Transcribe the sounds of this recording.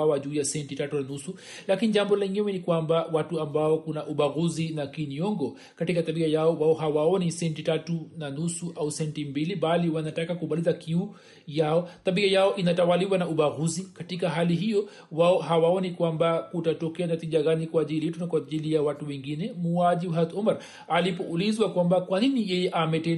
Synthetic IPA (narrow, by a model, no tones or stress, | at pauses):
awaʄuːjasɛntitatunanusu | lakiniʄambɔlaiɲɛwɛnikwambawatuambaɔkunaʔuɓaɣuzinakiniɔŋɡɔ | katikat̪aɓiajaɔwaɔɦawaɔnisɛntitatunanusuʔausɛntimbiliɓaliwanatakakuɓalizakiu | jaɔt̪aɓiajaɔʔinatawaliwanauɓaɣuzikatikaɦaliɦijɔ | waɔɦawaɔnikwambakutatɔkɛanatiʄaɣanikwaːʄilijɛtunakwaʄilijawatuwɛŋɡinɛmuaʄiɦat̪umaɾ | alipɔʔulizwakwambakwaninijɛjɛʔamɛtɛ